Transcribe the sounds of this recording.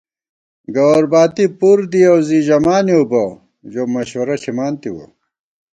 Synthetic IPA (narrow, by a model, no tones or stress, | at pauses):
ɡɐwɐɾbaːt̪ipuɾd̪iɐwziʑɐmaːniobɐ | jomɐɕwɐɾɐɬimaːnt̪iwo̰